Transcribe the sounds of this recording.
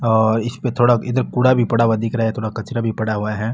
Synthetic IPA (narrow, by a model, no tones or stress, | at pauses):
ɔːɾɪspet̪ʰoːɽaɪd̪əɾkuːɽabʱipɐɽawad̪ɪkɾɐɦat̪ʰoːɽakɐt͡ʃɾabʱipɐɽaɦuaɦɛː